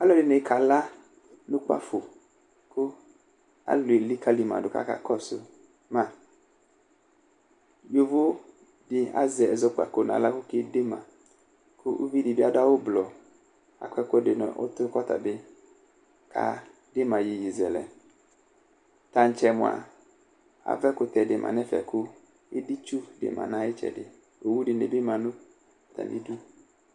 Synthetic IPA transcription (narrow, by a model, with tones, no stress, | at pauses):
a˦lɔ˦dɪ˨ne˨˦kʰa˨la˦ | nʊ̃˦k͡pa̰˦fʊ˨ | kʊ˦ | a̰˦lʊ˨e˨li˦ka˦li˨mã̰˨dʊ˨ka̰˦ka̰˨kɔ˦sʊ˨ | mã˨ | jo˨vʊ˦ | dɪ˨a̰˦zɛ˨ɛ˨zɔ˦k͡pa̰˨ko˨na̰˨la˦kʊ˦ke˦de˦mã˨ | kʊ˦ʔṵ˦vi˦dɪ˨bɪ˦a˦da˦wʊ˦blɔ˨ | a̰˨kʷɛ˦kɔ˦dɪ˨nɔ̰˨ʔʊ̰˦tʊ˦kɔ˦t̪a̰˨bɪ˦ | kʰa̰˨ | dɪ˦ma˨ji˨ji˨zɛ˨lɛ̰˨ | ta˨n̩˨˦t͡ʃɛ˨mʊ̃˨a̰˨ | a̰˨vɛ˦kʊ˨t̪ɛ˨dɪ˨mʔa̰˨nɛ˦fɛ̰˨kʊ˦ | ɪ˦di˦t͡ʃu˦dɪ̰˨mʔa̰˨na˨jɪ˦t͡ʃɛ̰˨dɪ˨ | o˨wu˦dɪ˨ne˨bɪ˦ma˨nʊ˦˨ | t̪a̰˨nɪ̰˦du˦